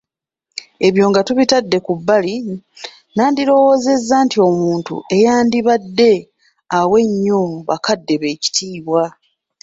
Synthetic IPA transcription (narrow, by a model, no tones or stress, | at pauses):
e̞βjo̞ːŋɡatuβitadːe̞kubːali | naːndiɾo̞wo̞ːze̞zːaːntio̞muːntṵe̞jaːndiβadːe̞ | awe̞ɲːo̞βa̰kadːe̞βe̞ːci̥tʰiːβwa